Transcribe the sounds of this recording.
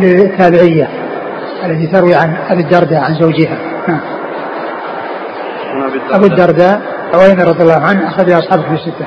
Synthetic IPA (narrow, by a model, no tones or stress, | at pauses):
lɪt̪ʰːaːbɪʕɪjːa | ʔalːat̪it̪ɑɾwiʕanʔabud̪ːɑɾˤd̪aʕanzawd͡ʒɪɦa | naʕm | ʔabud̪ːɑɾˤd̪a | ʔawʔajnaɾˤɑðˤjalːɑːɦʊʕanːʔaxaðiʔɑsˤħɑːbakmɪsːɪt̪ːa